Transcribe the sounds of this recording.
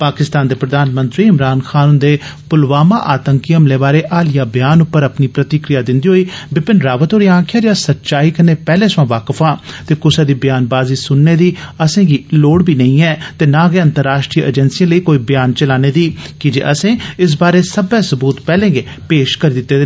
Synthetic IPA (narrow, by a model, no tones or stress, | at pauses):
paːkɪst̪aːnd̪eːpɾəd̪aːnmə̃nt̪ɾiːɪmɾaːnxʰaːnʊnd̪eːpʊlʋaːma̰ːʔaːt̪əŋkiəmleːbaːɾeːʔaːlɪjaːbjaːnʊpːəɾəpniːpɾət̪ɪkɾɪjaːd̪ɪ̃nd̪iːɦoːiːbɪpɪnɾaːʋət̪ɦoːɾiːãːkʰjaːd͡ʒaːsətːt͡ʃaːiːkəneːpɛːlẽːsʋãːʋaːkəfʰãːt̪eːkʊsɛːd̪iːbjaːnbaːziːsʊnːeːd̪iːəsẽːɡiːloːɽbiːnəĩːɛːt̪eːnãːɡeːə̃nt̪əɾːaːʃʈɾiːʔə̰d͡ʒənsijãːləiːkoːiːbɪjaːnt͡ʃəlaːneːd̪iːkɪd͡ʒḛːʔəsẽːɪs̬baːɾeːsəbɛːsəbuːt̪pɛːlẽːɡeː | peːʃkəɾiːd̪ɪt̪ːeːd̪